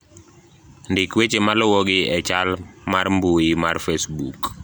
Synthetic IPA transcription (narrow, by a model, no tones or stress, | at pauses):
ndɪkwet͡ʃemalɔwɔɡɪɛt͡ʃalmarmbuɪmarfesbuk